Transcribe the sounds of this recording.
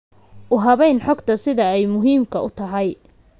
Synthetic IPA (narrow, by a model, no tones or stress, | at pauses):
ʔʊɦɐβɛjnħɔɡt̪ʰɐsɪðɐɛjmʊɦiːmkʰɐʊt̪ʰɐɦɐj